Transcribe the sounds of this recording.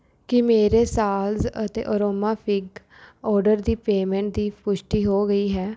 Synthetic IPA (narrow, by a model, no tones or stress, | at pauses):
kɪmeːɾeːsaːlzət̪ḛːʔoɾoːmaːpʰɪɡ | ɔːɾɖəɾd̪iːpeːmɛ̃ːɳʈ̚d̪iːpʊʃʈiːɦoːɡəiːɦɛː